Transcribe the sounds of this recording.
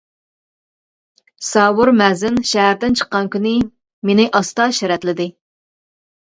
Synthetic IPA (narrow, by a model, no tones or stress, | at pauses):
sɑːwʊɾmɛzɪnʃɛɦæɾd̪ɪnt͡ʃʰə̥qːɑnkʲynɪ | menɪʔɑst̪ɑʃɛɾɛt̪lɪd̪ɪ